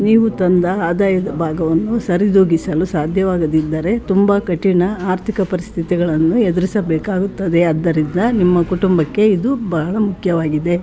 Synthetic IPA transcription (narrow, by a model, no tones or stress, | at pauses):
niːʋut̪ɐnd̪ɐaːd̪aːjɐd̪ɐbʱaːɡɐʋɐnːusɐɾid̪oːɡisɐlusaːd̪ʱjɐʋaːɡɐd̪id̪ːɐɾe̞t̪umbɐkɐʈiɳɐaːɾt̪ʰikɐpɐɾist̪ʰit̪iɡɐɭɐnːued̪iɾisɐbɛːkaːɡut̪ːɐd̪e̞ɐd̪ːɐɾind̪ɐnimːɐkuʈumbɐkːe̞id̪ubɐɦɐɭɐmukʰjɐʋaːɡid̪e̞